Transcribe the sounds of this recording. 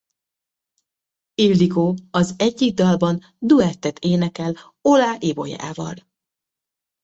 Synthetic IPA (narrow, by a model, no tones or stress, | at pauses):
ild̪ikoːɒzɛɟːiɡ̚d̪ɒlbɒn | d̪uɛt̪ːɛt̪ʰeːnɛkɛl | olaːʔibo̞̰ja̰ːvɒ̰l